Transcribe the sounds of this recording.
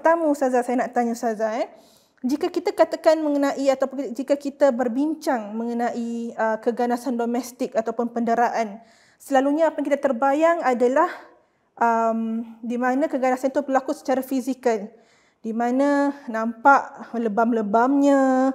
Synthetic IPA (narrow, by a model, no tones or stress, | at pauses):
t̪amusazasajanaʔt̪aɲasazaɛ | d͡ʒikakit̪akat̪akanməŋənãʔiat̪awpd͡ʒikakit̪abərbiɲt͡ʃaŋmə̃ŋənãʔiəkəɡanasandomɛst̪ɪkat̪awpʊnpəndəɾaʔan | səlaluɲaːpankit̪at̪ərbajaŋadalah | ʔəmdimanãkəɡanasant̪ubəlakusə̥t͡ʃaɾafizikal | dimãnãnãmpaʔləbamləbamɲa